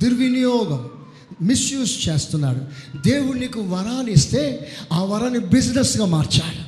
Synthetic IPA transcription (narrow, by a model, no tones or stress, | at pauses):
d̪iɾʋinijɔːɡɐmː | isjuːst͡ʃe̞ːst̪unːaːɽud̪e̞ːwunikuʋɐɾaːnist̪e̞ːaːʋɐɾaːnːibid͡ʒnesɡaːmaːɾt͡ʃaːɽu